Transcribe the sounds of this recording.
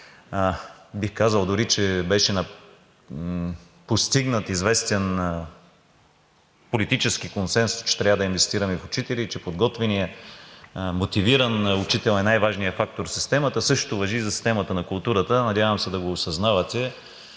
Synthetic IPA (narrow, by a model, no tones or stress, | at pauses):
bixkazəlˠd̪ʊɾit͡ʃɛbɛʃɛnɐ | post̪iɡnət̪izvɛst̪ɛn | polit̪it͡ʃɛsk̟ikonsɛnsʊ̥st͡ʃɛ̥t̪ɾʲavəd̪ɐinvɛst̪iɾəmifʊt͡ʃit̪ɛliːt͡ʃɛpod̪ɡɔt̪vɛniə | mot̪iviɾənʊt͡ʃit̪ɛlˠɛnajvaʒnijəfak̚t̪oɾsi̥st̪ɛmət̪əsɤʃtt̪ʊvɐʒizɐsi̥st̪ɛmɐt̪ənɐkʊlˠt̪uɾət̪ənɐd̪ʲjavəmsɛd̪ɐɡoːsɐznavɐt̪ɛ